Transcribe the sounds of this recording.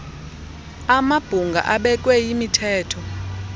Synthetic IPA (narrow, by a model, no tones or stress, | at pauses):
amab̥ʱuŋɡʱa̰ʔaɓɛk̬ʼwɛjimitʰɛːtʰɔ